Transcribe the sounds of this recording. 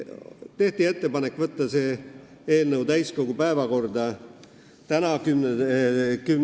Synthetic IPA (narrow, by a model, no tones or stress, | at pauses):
t̪e̞ht̪ie̞t̪ːe̞pɑnekːˑvɤt̪ˑːɑseː | eːlnəwt̪æjsko̞ɡ̥upæevɑko̞rd̪ɑ | t̪ænɑkym | kym